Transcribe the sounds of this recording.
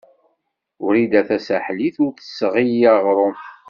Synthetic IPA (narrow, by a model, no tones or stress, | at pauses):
ʊɾid̪æθæsaħliθʊɾθə̥sːʁijaʁɾˤom